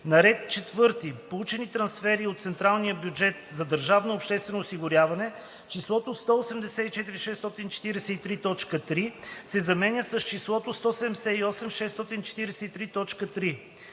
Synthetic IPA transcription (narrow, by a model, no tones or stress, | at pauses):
nɐɾɛt̪̚t͡ʃɛt̪vɤɾt̪ipolˠut͡ʃɛnit̪ɾɐnsfɛɾiot̪t̪sɛnt̪ɾalˠnijəbjud͡ʒɛt̪zɐd̪əɾʒavnoːpʃt̪ɛst̪vɛnoːsiɡʊɾʲjavɐnɛ | t͡ʃislˠɔt̪ost̪ɔʊsɛmd̪ɛsɛit͡ʃɛt̪iɾiʃɛsːt̪ɔt̪int͡ʃɛ̥t̪iɾɛsɛit̪ɾit̪ɔt͡ʃkət̪ɾisɛzɐmɛnʲjəsɐst͡ʃislˠɔt̪ost̪ɔsɛd̪ɛmɛsɛiɔsɛmʃɛst̪ɔt̪int͡ʃɛ̥t̪iɾɛsɛit̪ɾit̪ɔt͡ʃkət̪ɾi